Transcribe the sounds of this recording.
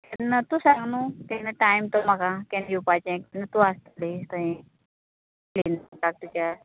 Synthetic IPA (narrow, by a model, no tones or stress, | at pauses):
kɛnːət̪usaŋnukɛnəʈajmt̪omakakɛnjupat͡ʃɛ̃kɛnːət̪uast̪ḁlet̪aĩ | linkak̚t̪ut͡ʃa